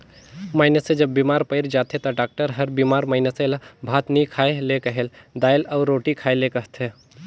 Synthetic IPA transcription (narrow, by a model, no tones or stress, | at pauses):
maɪnesed͡ʒɐbːiːmaɾpəɪɾd͡ʒat̪ʰet̪ɐɖaːk̚ʈəɾɦəɾbimaɾmaɪneselabʱaːt̪nikʰaelekəɦeld̪aːjlaʊɾːoːʈikʰajlekəɦt̪ʰe